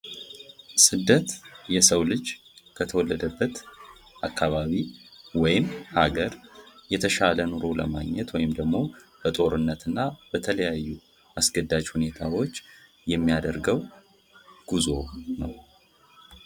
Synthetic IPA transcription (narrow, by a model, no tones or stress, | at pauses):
sɨd̪ːət̪jɛsəwlɨd͡ʒ | kʰət̪ʰəwɔlːəd̪əbːət̪ | ʔakʰːaβaβiwɔjɪmhaɡəɾjɛt̪ʰəʃalənoɾolə̰maɡɲːɛt̪wɔjɪmd̪əɡmo̞b̥ət̪ʼo̞ɾɨnːət̪ɨnːab̥ət̪ʰələjajːu | asɡəd̪ːad͡ʒhune̞t̪ʰawo̞t͡ʃː | jɛmːijad̪əɾɡəw | ɡ̥uzo̞nə̰w